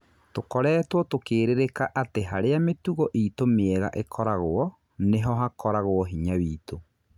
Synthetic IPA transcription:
tokɔɾɛːtwɔtokeːɾeɾekaʔateɦaɾeametuɣɔʔiːtomeɛɣa̰ʔekʰɔɾaɣoɔ | neɦɔɦakɔɾaɣwɔɦiɲawiːto

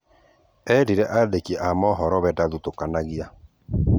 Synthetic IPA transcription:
ɛdiɾɛʔaðekiɛʔamɔɦɔɾɔβɛdaðutokanaɣia

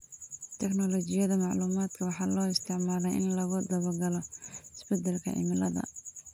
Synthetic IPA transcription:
t̪ʰɛknɔlɔt͡ʃɪjɐðɐmɑʕluːmaːd̪kʰɐwɑħɑːlɔːɪst̪ʰɪʕmaːlɛjʔɪnlɐɣʊd̪ɐβɔrɡɐlɔɪsbɛd̪ɛlkʰɐ̰ʕɪ̰mɪlɐðɐ̰

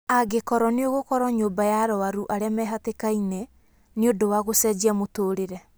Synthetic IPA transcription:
aɡekɔɾɔneoɣokɔɾɔɲoːbajaɾɔaɾuʔaɾeamɛɦatekaine | neodowaɣosɛd͡ʒiamotoːɾeɾɛ

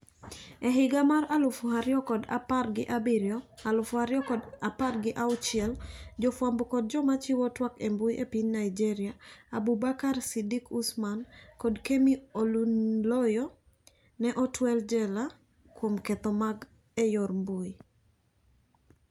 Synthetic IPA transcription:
ɛɦɪɡamaralʊfʊɦaɾjɔkɔda̰parɡɪʔabiɾjɔalʊfʊaɾjɔkɔdaparɡɪʔaʊt͡ʃɪɛld͡ʒɔfwambokɔd̚d͡ʒɔmat͡ʃɪwɔtwakembʊjʔepinnaid͡ʒiɾɪaabubakarsidikusmankɔdkemiolunlɔjɔ | nɛʔɔtwɛld͡ʒɛla | kwomkɛt̪ɔmaɡ | ɛjɔrmbuj

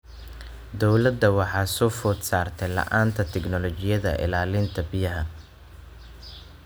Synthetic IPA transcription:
d̪ɔwlɐd̪ɐwɑħɑːsɔːfɔːd̪saːrt̪ʰɛjlɐ̰ʔaːnt̪ʰɐt̪ʰɛɡnɔlɔt͡ʃɪjɐðɐ̰ʔɪ̰laːlɪnt̪ʰɐbɪjɐɦɐ

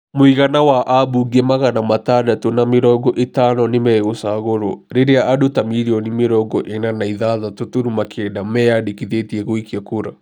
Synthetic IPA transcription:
mwiɣanawaʔabuɡɛmaɣanamatadatonameɾɔɡɔʔetaːnɔnemɛɣosaɣoɾo̰ɾeɾeaʔadotamiɾiɔnimeɾɔɡɔʔenanaiðaðatotoɾumakʰɛdamɛadekiðetiɛɣoikiakoɾa̰

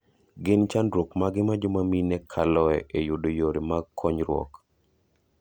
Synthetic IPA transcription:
ɡɪnt͡ʃandɾokmaɡɪmad͡ʒomaminɛkʰalɔɛʔejʊdojoɾemakʰːɔɲɾwɔ̰k

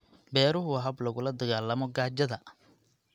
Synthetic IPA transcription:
bɛːɾʊɦʊɦɐblɐɣʊlɐd̪ɐɣaːlɐmɔɡaːd͡ʒɐðɐ

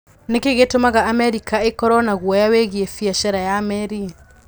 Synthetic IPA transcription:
nekeɣetomaɣaʔːmɛɾikaekɔɾɔnaɣwɔjaweɣiɛfiaʃaɾajamɛɾi

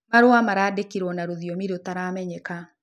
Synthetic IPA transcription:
maɾwamaɾaːdekiɾwɔnaɾoðiɔmiɾotaɾamɛɲɛka

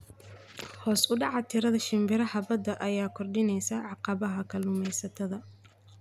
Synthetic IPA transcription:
hɔːsʊɖɑʕɑt̪ʰɪɾɐðɐʃɪmbɪɾɐhɐbɐd̪ɐʔɐjaːkʰɔrɖɪnɛjsɐʕɑqɑβɐɦɐkʰɐluːmɛjsɐt̪ʰɐðɐ

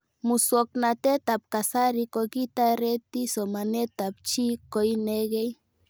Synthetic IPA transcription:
musuoknat̪et̪ap̚kasaɾikokit̪aɾet̪isomanet̪ap̚t͡ʃikojneɡej

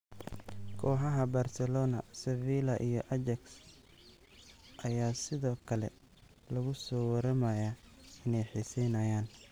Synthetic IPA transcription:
kʰɔːħɑɦɐbarsɛlɔːnɐ̰sɛviːlɐʔijɞʔɐd͡ʒɐks | ʔɐjaːsɪðɔːkʰɐlɛ̰ | lɐɣʊsɔːwɐɾɐmɐjaɪnɛjħiːsɛjnɐjaːn

